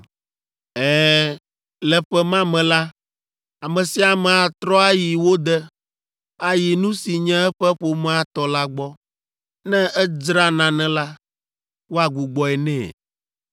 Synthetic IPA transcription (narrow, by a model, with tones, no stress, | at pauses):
ɛː˦˨ | lɛ˨ɸɛ˦mã˦mɛ̃˨la˦ | a˨mɛ̃˨si˦a˨mɛ̃˨a˨t̪ɾɔ˦a˦ji˨wo˦d̪ɛ˦ | a˨ji˨nũ˦si˨ɲɛ̃˦ɛ˦ɸɛ˦ɸo˨mɛ̃˦a˨t̪ɔ˨la˦ɡ͡bɔ˦ | nɛ̃˦ɛ˦d͡ʒɾa˦nã˨nɛ̃˦la˦ | wo˦a˨ɡu˨ɡ͡bɔ˨ɛ˨nɛ̃˦˨